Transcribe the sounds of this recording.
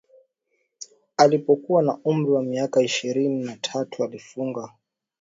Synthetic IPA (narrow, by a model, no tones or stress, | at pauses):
alipɔkuwanaum̩ɾiwamiakaiʃiɾininatʰatualifuŋɡa